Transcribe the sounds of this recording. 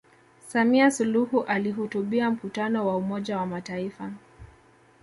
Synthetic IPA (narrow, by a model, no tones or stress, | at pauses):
samiasuluhuʔaliɦutuɓiam̩kutanɔwaumɔʄawamataifa